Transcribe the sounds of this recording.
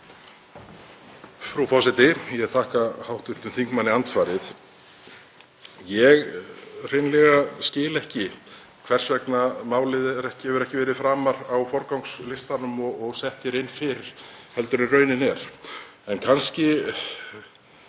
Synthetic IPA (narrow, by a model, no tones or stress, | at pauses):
fɾuwfɔsɪt̪ɪjɛðθʰaːhkahawht̪ʏht̪ʏmθiŋkmanːɪant̪svaːɾɪθ | jɛɣr̥ejnlɛɣascɪːlɛhcɪ | kʰv̥ɛr̥svɛknamaːwlɪðɛɾɛhcɪhɛvɪɾɛhcɪvɛːɾɪðfɾaːmaɾawfɔɾkawŋkslɪst̪anʏmɔːɣsɛht̪jɛɾɪnːfɪɾɪɾ̥hɛl̪t̪ʏɾɪrœːɥnɪnɛɾ̥ | ɛnkʰanscɪ